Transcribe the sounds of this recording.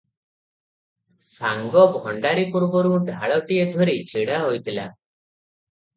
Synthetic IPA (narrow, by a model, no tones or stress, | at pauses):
saŋɡɔbʱɔɳɖaɾipuɾbɔɾuɖʱaɭɔʈiet̪ʰɔɾit͡ʃʰiɽaɦojt̪ʰila̰